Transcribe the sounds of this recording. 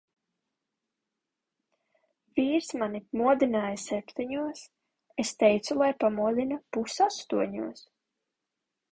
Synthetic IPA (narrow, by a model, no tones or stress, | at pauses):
viːɾsmanimuɔd̪inaːjasɛpt̪ɛɲuɔs | est̪ɛjt̪sulˠajpamuɔd̪inapusast̪uɔɲuɔs